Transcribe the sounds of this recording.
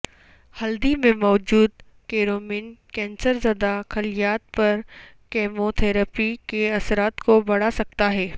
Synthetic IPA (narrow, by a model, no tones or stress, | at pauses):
hɐld̪imẽmɔːd͡ʒuːd̪ | keːɾoːmɪnkɛ̃ːnsəɾzɐd̪axɐlijaːt̪̚pɐɾ | keːmot̪ʰɛːɾəpikeɐsɾaːt̪kobɐɽ̤asɐk̚t̪aɦɛː